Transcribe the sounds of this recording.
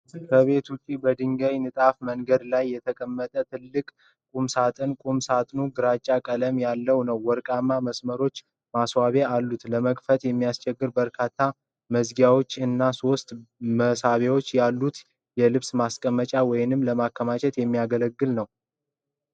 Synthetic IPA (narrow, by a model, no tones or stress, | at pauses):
kʰəβe̞t̪ʰut͡ʃʼːibəd̪ɨŋɡəjnɨt̪ʼafməŋɡəd̪lajːɛt̪ʰəkʼəmːət̪ʼət̪ʰɨlːɨkʼ | kʼumsat̪ʼɨnkʼumsat̪ʼnuɡɨɾat͡ʃʼːakʼələmjalːəwnəwːɔɾkʼamːaməsməɾo̞t͡ʃː | maswaβealːut̪ləməkʼfət̪jɛmːijast͡ʃʼɛɡːɨɾbəɾkʰat̪ʰːa | məzɡjawot͡ʃːɨnːaso̞st̪ʼməsaβewo̞t͡ʃːjalːut̪ | jɛlɨβsmaskʼəmət͡ʃʼawɔjɪnɨmləmakːəmat͡ʃʰʼɛt̪jɛmːijaɡələɡːɨlnəw